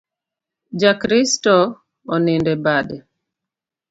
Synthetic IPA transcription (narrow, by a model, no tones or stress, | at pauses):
d͡ʒakɾistɔ | ɔnɪndɛbadɛ